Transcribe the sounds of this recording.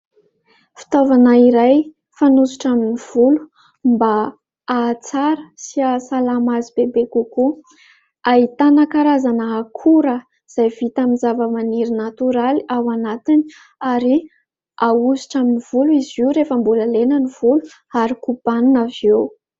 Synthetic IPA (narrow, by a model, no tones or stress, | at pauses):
fi̥t̪ovanaiɾaj | fanuzi̥ʈ͡ʂaminiv̥ulu̥ | mba | at͡saɾəsiasalamazibebekuku | ait̪anakaɾazanəːkʰuɾə | z̥ajv̥it̪aminzavəmaniɾinat̪uɾaliawanat̪ini̥ | aɾi | auzi̥ʈ͡ʂaminiv̥uluiziuɾefəmbuləlenəniv̥ulu | aɾikub̥anunavew